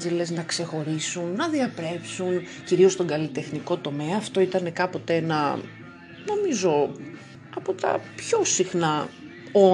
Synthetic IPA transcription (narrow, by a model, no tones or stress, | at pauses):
zele̞znɐkse̞xo̞ɾisunːɐðiɐpɾe̞psunciɾio̞st̪o̞ŋɡɐlit̪e̞xniko̞t̪o̞me̞ɐːft̪o̞it̪ɐne̞kɐpo̞t̪eenɐ̰ | no̞mizo̞ | ɐpo̞t̪ɐ̰pço̞sixnɐ | o